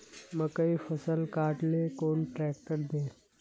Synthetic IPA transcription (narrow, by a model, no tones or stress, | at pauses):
məkəifəsəlkaːʈleːkoːnʈɾɛːk̚ʈəɾd̪eː